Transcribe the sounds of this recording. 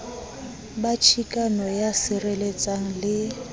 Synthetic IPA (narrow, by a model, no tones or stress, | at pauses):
bat͡ʃʰikʼanɔjasɪrelet͡sʼaŋ̩lɪ